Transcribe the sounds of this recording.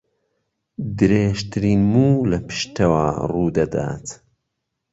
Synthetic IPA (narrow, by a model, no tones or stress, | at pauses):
d̪ɨɾeːʒt̪ʰɨɾiːnmuːlɐpʰɨ̥ʃt̪ʰɐwaːruːd̪ɐd̪a̰ːt̪